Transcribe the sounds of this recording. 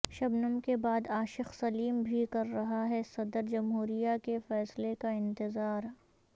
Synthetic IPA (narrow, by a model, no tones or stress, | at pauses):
ʃɐbnəmkebaːd̪aːʃɪxsɐliːmbʱikɐɾːɐɦaɦɛsɐd̪əɾd͡ʒɐmɦuːɾijakefɛːslekaɪ̃nt̪ɪzaːɾ